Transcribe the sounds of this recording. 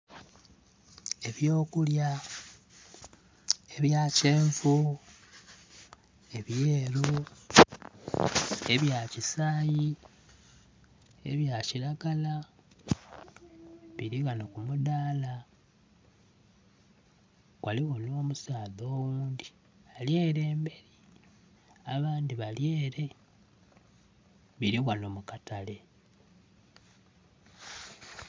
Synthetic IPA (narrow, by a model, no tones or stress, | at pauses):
e̞βjo̞ːkulja | e̞βjaːceːɱvu | e̞βjeːɾu | e̞βjacisaːji | e̞̰βjaciɾaɡala | βiɾiɣanokumuðaːla | ɣwʔaliɣono̞ːmusaːðo̞ːwuːndi | alje̞ːɾe̞ːmbe̞ɾi | aβaːndiβalje̞ːɾe̞ | βiɾiɣwanomukatale̞